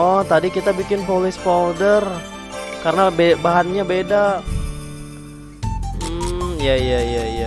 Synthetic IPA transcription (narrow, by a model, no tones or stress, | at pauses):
ɔt̪adikit̪abikɪnpolɪspaldər | karənabebaɦanɲabeda | m̩jajajaija